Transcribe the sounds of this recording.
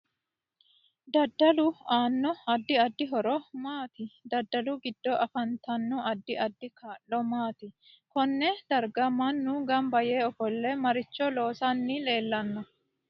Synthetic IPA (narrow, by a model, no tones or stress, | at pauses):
d̪ɐd̪ːɐlʊaːnːɔɐd̪ːɪɐd̪ːɪɦɔɾɔmaːt̪ɪd̪ɐd̪ːɐlʊɡɪd̪ːɔʔɐfɐnt̪ɐnːɔɐd̪ːɪʔɐd̪ːɪkʰaːʔːɔmaːt̪ɪ | kɔnːɛd̪̥ɐɾɡɐmːɐnːʊɡɐmbɐjeːɔfɔlːɛmɐɾɪt͡ʃːɔloːsɐnːɪle̞ːlːɐnːɔ